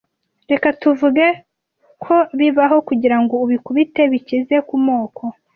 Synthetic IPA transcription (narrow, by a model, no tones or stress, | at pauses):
ɾe̞katuvuɡe | kʰo̞βiβaɦo̞kuɟiɾaŋɡo̞uβikuβite̞βicize̞kumo̞ːkʰo̞